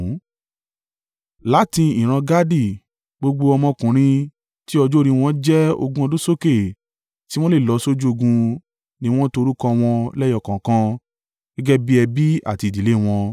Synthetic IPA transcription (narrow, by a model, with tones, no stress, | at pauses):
la˨˦ti˧i˨ɾ̃ã˧ɡa˦di˦˨ | ɡ͡bo˧ɡ͡bo˧ɔ˧mɔ̃˧kũ˨ɾ̃ĩ˧ | ti˦ɔ˧d͡ʒo˦˧ɾĩ˧w̃ɔ̃˧d͡ʒɛ˦o̰˧ɡũ˦ɔ˧dũ˦so˦ke˦˨ | ti˦w̃ɔ̃˦le˦˨lɔ˧so˦d͡ʒu˦o˧ɡũ˧ | nĩ˦˧w̃ɔ̃˦to˧ɾu˦kɔ̃˦˧w̃ɔ̃˧lɛ˦jɔ˦˨kã˨kã˧ | ɡɛ˦ɡɛ˦bi˦ɛ˧bi˦a̰˨ti˧˨di˨le˦˨w̃ɔ̃˧